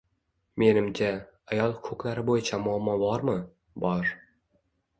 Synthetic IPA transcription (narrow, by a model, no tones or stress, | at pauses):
me̞nɪmt͡ʃʰʲaajɒlˠkʰɵklaɾɪbojɪt͡ʃʰamʊamːɒbɒɾmɪ | bɒɾ